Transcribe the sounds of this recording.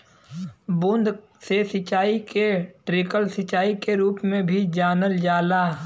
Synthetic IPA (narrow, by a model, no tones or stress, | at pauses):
bʊ̃nd̪ | sesɪt͡ʃaːikeʈɾɪkəlsɪt͡ʃaːikeɾuːpmẽbʱid͡ʒaːnəld͡ʒaːlaː